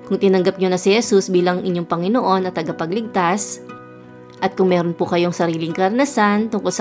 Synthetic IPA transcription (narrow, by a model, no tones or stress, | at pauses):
kʊŋt̪ɪnɐŋɡɐp̚ɲonɐsɪhɛsusbiːlɐŋʔɪɲo̞ŋpɐŋɪnoʔo̞nːɐt̪ːɐɡɐpɐɡlɪɡ̚t̪as | ʔɐt̪̚kʊŋmɛːɾonpʊkɐjoŋsɐɾiːlɪŋkɐɾɐnɐsant̪ʊŋko̞lsɐ